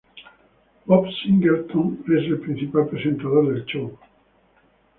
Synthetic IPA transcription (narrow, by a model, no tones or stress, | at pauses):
bopsiŋɡeɾt̪oŋe̞se̞lpɾĩn̟θipalpɾesẽ̞nt̪að̞oɾðelt͡ʃow